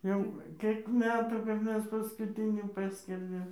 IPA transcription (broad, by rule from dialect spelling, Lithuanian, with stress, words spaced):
ˈjɛʊ ˈkʲeːk ˈmʲæːtuː kɐp ˈmʲɛs pɐskʊˈtʲɪnʲiː ˈpɑːsʲkʲɛrʲdʲeːm